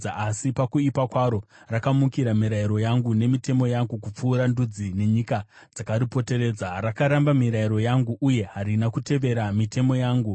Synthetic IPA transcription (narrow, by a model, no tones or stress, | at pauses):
aʔasipakuipakwaɾo̞rakamukiɾamiɾaiɾo̞jaŋɡune̞mite̞mo̞jaŋɡukup͡fuːɾandud͡zine̞ɲika | d͡zakaɾipo̞te̞ɾe̞ːd͡zarakaɾambamiɾaiɾo̞jaŋɡuʔuje̞ɦaɾinakute̞ʋe̞ɾamite̞mo̞jaːŋɡu